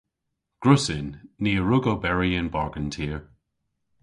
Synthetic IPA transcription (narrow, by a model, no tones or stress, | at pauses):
ɡ̥ɹʊsɪnːiːəɹʊɡobɛɹiənbɑɹɡəntʰiəɹ